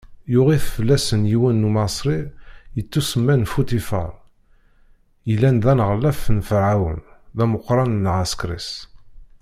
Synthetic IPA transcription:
jʊʁiθfəlːæsənjiwænːumɑsˤɾijət͡sːusəmːænfut̪ifə̰ɾˤ | jəlːænðænəʁlːæfːnfəʕawə̰nðæməqːɾˤɑnnʁaskɾḭs

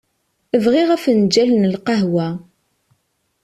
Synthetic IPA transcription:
əvʁiʁæfənd͡ʒælənəlqɑɦwæ

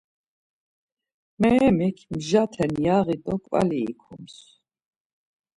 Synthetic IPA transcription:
mɛmikʰmʒat̪ʰɛnjaʁit̪ʼɔkʼva̰liːkʰums

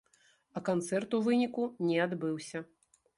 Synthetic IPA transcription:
ɐkant̪sɛrt̪uvɨnʲikunʲɛad̪bɨwsʲɐ

